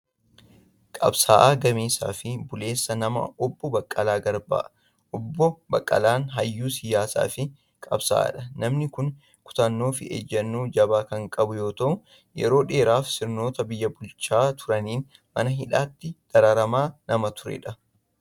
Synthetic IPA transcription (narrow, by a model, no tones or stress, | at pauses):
kʼɐ̰bsa̰ːʔaːɡɐmeːsa̰ːfɪbʊle̞ːsːɐnɐmɐ̰ɔbːɔbɐkʼːɐlaːɡɐɾba̰ːʔ | ʔɔbːɔbɐkʼːɐ̰laːnɦɐjːuːsɪjaːsa̰ːfɪ | kʼɐbsa̰ːɐ̰ᶑɐnɐmnɪkʊn | kʊ̥t̪ɐnːo̞ːfɪ̰ḛd͡ʒːɐnːuːd͡ʒɐbaːkɐŋkʼɐbʊjo̞ːt̪ɐʔʊ | jɛ̰ɾo̞ːᶑe̞ːɾaːfsɪɾno̞ːt̪ɐbɪjːɐbʊlt͡ʃaːt̪ʰʊɾɐniːn | mɐ̰nɐɦɪᶑaːt̪ːɪd̪̥ɐɾaɾɐmaːnɐmɐt̪ʊɾɛ̰ᶑɐ